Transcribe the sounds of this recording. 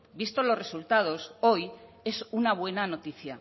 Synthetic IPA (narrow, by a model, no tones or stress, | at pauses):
bist̪olo̞sre̞sult̪að̞o̞so̞j | e̞sunaβ̞we̞nanot̪iθja